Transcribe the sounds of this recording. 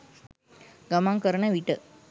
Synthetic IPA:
ɡɐmaːŋkɐɾɐnɐʋiʈːɯ

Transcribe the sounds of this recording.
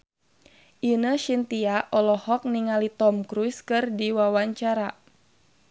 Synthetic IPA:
ʔinəʃint̪iaʔɔlɔhɔk̚niŋalit̪ɔmkɾuskɨrdiwawaɲt͡ʃaɾa

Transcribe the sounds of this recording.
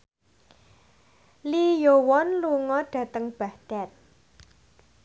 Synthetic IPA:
lijowɔnluŋɔɖ̪̥ä̤t̪əŋb̥a̤hd̪̥a̤t̪̚

